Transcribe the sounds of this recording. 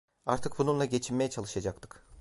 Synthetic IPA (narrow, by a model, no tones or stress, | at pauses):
aɾt̪ʰɯk̚bununlˠaɟe̞t͡ʃʰinmejɛt͡ʃʰalˠɯʃad͡ʒakt̪ʰɯ̥k